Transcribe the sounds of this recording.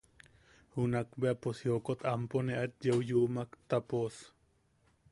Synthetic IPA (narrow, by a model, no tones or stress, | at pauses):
hunakbeaposjokot̪ʰamponeʔat̪jewjuʔmakt̪apos